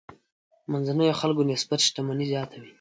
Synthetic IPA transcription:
manzanəjoxalɡonɪsbat̪ʃt̪amanizjɑt̪ʰawi

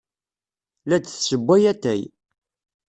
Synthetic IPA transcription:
læt͡sːθsəbʷːæjæt̪ːæj

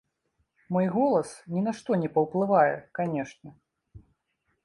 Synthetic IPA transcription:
mɔjɣɔlˠɐsnʲinaʂt̪ɔnʲɛpɐwplˠɨvajɛ̰kanʲɛʂnʲɛ

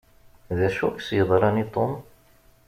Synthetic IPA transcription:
ðæʃuksjəðˤɾˤɑnit̪ˤom

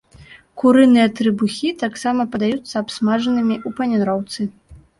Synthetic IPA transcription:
kuɾɨnɨjɐt̪ɾɨbuxʲit̪aksamɐpɐd̪ajut̪sːɐːpsmaʐɐnɨmʲiʔupɐnʲanɾɔwt̪sɨ

